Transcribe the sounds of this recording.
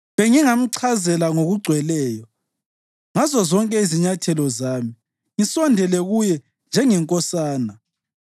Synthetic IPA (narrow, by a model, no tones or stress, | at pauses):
βɛŋiŋam̩ǀʰazɛlaŋoɣuɡ͡ǀʱwɛlɛːjɔ | ŋazɔzɔŋkʼɛiziɲatʰɛlɔzaːmi | ŋisɔndʱɛlɛɣujɛ | nd͡ʒʱɛŋɛŋkʼɔsaːna